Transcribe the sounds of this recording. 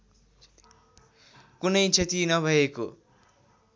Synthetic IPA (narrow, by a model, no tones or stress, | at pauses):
kunʌjt͡sʰet̪inʌbʱʌeko